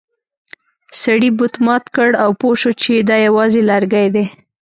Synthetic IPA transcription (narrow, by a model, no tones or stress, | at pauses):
saɽibʊt̪mɑt̪kəɽawpoʃot͡ʃed̪ɑjawɑzelaɾɡajd̪e